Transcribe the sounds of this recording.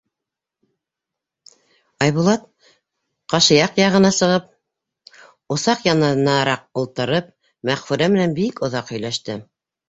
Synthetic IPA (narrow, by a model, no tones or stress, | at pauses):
ɑjβulˠɑt̪̚ | qɑʃɤ̆jɑqjɑʁɤ̆nɑsɤ̆ʁɤp̚ | ŏsɑqjɑnɑnɑɾɑq̚ŏlˠt̪ɤ̆ɾɤp̚ | mæχfʉɾæmɘ̆nænbikŏðɑqhɵ̆jlæʃt̪ɘ